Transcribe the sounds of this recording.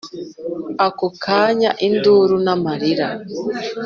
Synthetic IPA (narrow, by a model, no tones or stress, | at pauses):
akukʰaːɲaʔinduːɾunamaɾiɾa